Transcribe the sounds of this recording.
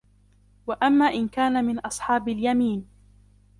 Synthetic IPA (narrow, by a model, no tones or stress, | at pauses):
waʔamːaːʔɪnkaːnamɪnʔɑsˤħɑːbaljamiːn